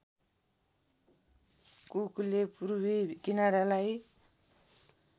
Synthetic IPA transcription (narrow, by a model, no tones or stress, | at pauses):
kukulepuɾubikinaɾalaj